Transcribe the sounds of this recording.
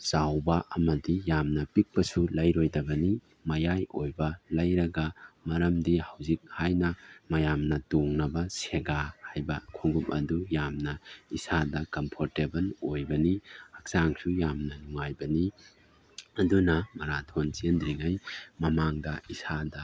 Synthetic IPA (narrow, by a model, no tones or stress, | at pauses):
sawbɐʔɐmɐdijamnɐpik̚pɐsulɐjɾojdɐbɐni | mɐjajojbɐlɐjɾɐɡɐmɐɾɐmdihawzik̚hajnɐmɐjamnɐtoŋnɐbɐseɡahajbɐkʰoŋɡup̚ɐ̰dujamnɐisadɐkɐmpʰoɾtebɐlojbɐniɐk̚saŋsujamnɐnuŋajbɐni | ɐdunɐmɐɾatʰont͡ʃendɾiŋajmɐmaŋdɐisadɐ